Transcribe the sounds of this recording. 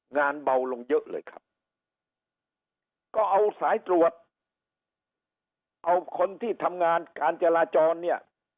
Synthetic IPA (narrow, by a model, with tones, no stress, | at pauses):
ŋaː˧nba˧wlo˧ŋjɤ˦˥ʔlɤ̰ː˧jkʰa˦˥p̚ | kɔː˥˩ʔa˧wsaː˩˦jt̪ɾu˨˩ət̪̚ | ʔa˧wkʰo˧nt̪ʰiː˥˩t̪ʰa˧mŋaː˧nkaː˧nt͡ɕa˧laː˧t͡ɕɔː˧nːi˥˩ɐ